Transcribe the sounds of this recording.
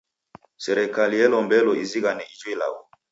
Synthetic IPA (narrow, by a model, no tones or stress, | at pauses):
sɛɾɛkalijɛlɔmbɛlɔiziɣanɛid͡ʒwɛla̰ɣɔ̰